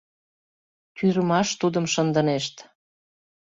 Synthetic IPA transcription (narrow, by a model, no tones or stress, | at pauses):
t̪yɾəmɑʃt̪ud̪əmʃənd̪ə̆neʃt̪